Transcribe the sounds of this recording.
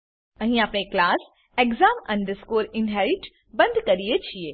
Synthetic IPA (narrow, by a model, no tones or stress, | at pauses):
ɐ̃ɦĩaːpneklaːs | eɡzaːmɐ̃ɳɖəɾskoːɾɪnɦɛːɾɪʈ | bɐ̃nd̪ʱkɐɾijet͡ʃʰieː